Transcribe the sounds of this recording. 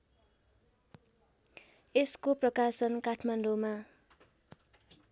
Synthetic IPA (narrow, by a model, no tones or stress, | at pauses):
eskoprʌkasʌnkaʈʰmaɳɖoma